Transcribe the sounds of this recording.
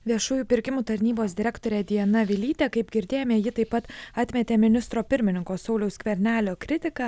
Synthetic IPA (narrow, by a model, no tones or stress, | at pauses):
ʋʲiɛʃuːjuːpʲɪɾʲkʲɪmuːt̪ɐɾʲnʲiːboːsd̪ʲɪɾʲækt̪oːɾʲɛːd̪ʲiɛnɐʋʲɪlʲiːt̪ʲeːkɐɪpɡʲɪɾʲd̪ʲeːjoːmʲeːjɪt̪ɐɪpɐt̪ɑːt̪ʲmʲɛt̪ʲeːmʲɪnʲɪst̪ɾoːpʲɪɾʲmʲɪnʲɪŋkoːsɒʊlʲɛʊskʋʲɛɾʲnʲæːlʲoːkɾʲɪt̪ʲɪkɑ